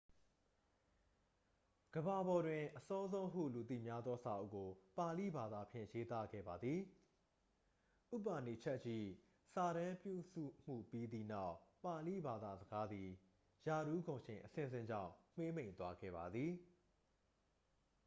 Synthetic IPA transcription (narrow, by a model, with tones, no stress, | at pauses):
ɡ̥əba˨bɔ˨dwɪ̃˨ʔəsɔ˦zõ˦ʊ̃ɦṵ˦˨lu˨t̪ḭ˦˨mja˦d̪ðɔ˦sa̰˨ʔo̰˦˨ko˨pa˨lḭ˦˨ba˨d̪a˨pʰjɪ̰̃˦˨je˦t̪a̰˦˨ɡɛ̰˦˨ba˨d̪ði˨ | ʔṵ˦˨pa˨ne˨t͡ɕʰɛ˦ʔt͡ɕḭ˦˨ | sa˨ɾã˦mpjṵ˦˨sṵ˦˨m̥ṵ˦˨pi˦d̪ḭ˦˨na˦ʊʔpa˨lḭ˦˨ba˨d̪a̰˨zəɡa˦d̪ði˨ | ja˨ɾu˦ɡõ˨ʃɪ̃˨ʔəsɪ̰̃˦˨zɪ̰̃˦˨ɲd͡ʑã̰˦˨ʊ̃m̥e˦m̥ẽ˦˨ɪ̃nt̪wa˦ɡɛ̰˦˨ba˨d̪ði˨